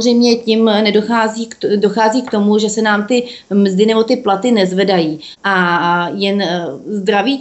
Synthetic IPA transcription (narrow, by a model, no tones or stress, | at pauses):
rɛjmɲɛcɪmnɛdoxaːziːkdo̞xaːziːkt̪o̞muʒɛsɛnaːmt̪ɪmzdɪnɛbo̞t̪ɪplat̪ɪnɛzvɛdajiː | ʔajɛnzd̪ɾaviː